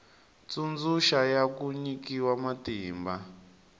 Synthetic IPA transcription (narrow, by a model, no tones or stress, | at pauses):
t͡sund͡zuʃajakuɲikiwamatiːmba